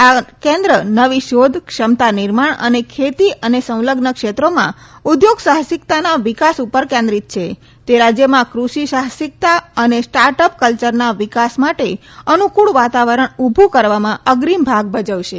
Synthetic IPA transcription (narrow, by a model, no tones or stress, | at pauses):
akɛ̃nd̪ɾənəʋiʃod̪ʱkʃəmt̪anɪɾmaɳə̰nekʰet̪iʔənesə̃w̃ləɡnəkʃet̪ɾomãud̪joɡsaɦsikt̪anaʋɪkasupəɾkɛ̃nd̪ɾit̪̚t͡ʃʰe | t̪eɾad͡ʒjəmãkɾuʃisaɦsɪk̚t̪aənesʈaɾʈəp̚kəlt͡ʃəɾnaʋikasmaʈe | ənukuɭʋat̪aʋəɾəɳubʱukəɾʋamãəɡɾimbʱaɡ̚bəd͡ʒəʋʃe